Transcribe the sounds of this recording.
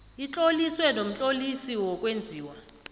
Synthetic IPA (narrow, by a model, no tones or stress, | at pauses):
it͡ɬʼoliswɛnom̩t͡ɬʼolisiwɔkʼwend͡zʱiːwa